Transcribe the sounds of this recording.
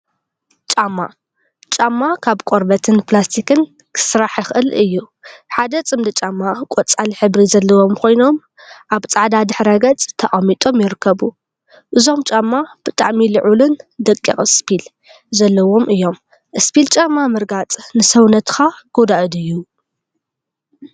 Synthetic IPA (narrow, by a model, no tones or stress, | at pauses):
t͡ʃʼamːa̰ | t͡ʃʼamːakʰaβkʼoɾbɐt̪ʰɨnplast̪ʰikʰɨn | kʰɨ̥sɾaħjɪxʔɨlɨjːu | ħad̪ɐt͡sʼɨmd̪ɨt͡ʃʼamːakʼot͡sʼaliħɨβɾizɐlːɐwo̞mkʰo̞jno̞m | ʔaβt͡sʼaʕd̪ad̪ɨħɾɐɡɐt͡sʼt̪ʰɐʔʼamit̪ʼo̞mjɪɾɨkʰːɐβu | ʔɨzo̞mt͡ʃʼamːab̥ɨt̪ʼa̰ʕmilɨʕulɨnd̪ɐkʼːḭχʼɨspʰil | zɐlːɐwo̞mʔɨjːo̞m | ʔɨspʰilt͡ʃʼamːamɨɾɡat͡sʼnɨsɐwnɐt̪xaɡ̥od̪aʔɨd̪ɨjːu